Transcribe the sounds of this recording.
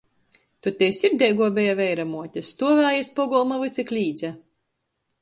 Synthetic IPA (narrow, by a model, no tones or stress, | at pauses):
t̪ut̪ʲɛjsiɾd̪ʲɛjɡuɔbɛjavɛjɾamuɔtʲast̪uɔvæːjaspɔɡɔlˠmavɨt̪sʲiklʲiːd̪zʲɛ